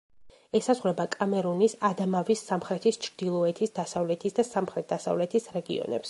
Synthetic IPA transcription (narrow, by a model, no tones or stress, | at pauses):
ɛsazʁɾɛbakʼamɛɾunisad̪amavisːamχɾɛt̪ʰist͡ʃʰɾd̪ilˠɔɛt̪ʰisd̪asavlɛt̪ʰisd̪asamχɾɛt̪̚d̪asa̰vlɛt̪ʰisɾɛɡḭɔ̰nɛ̰ps